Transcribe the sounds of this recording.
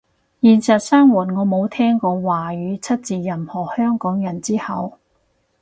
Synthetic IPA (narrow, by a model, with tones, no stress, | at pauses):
jiː˨nsɐ˨t̚saː˥ŋwuː˨˩nŋɔː˨˧mo˨˧wt̪ʰɛː˥ŋkɔː˧waː˨˩jyː˨˧t͡sʰɐ˥t̚t͡siː˨jɐ˨˩mhɔː˨˩hœː˥ŋkɔː˨˥ŋjɐ˨˩nt͡siː˥hɐ˨w